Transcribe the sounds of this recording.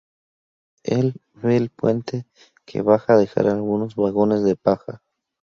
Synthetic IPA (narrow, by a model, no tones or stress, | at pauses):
el | βeːlpwe̞nt̪e | kʰe̞̰βaxaðe̞xa̰ɾalɣuno̞zβaɣo̞ne̞zðe̞paxa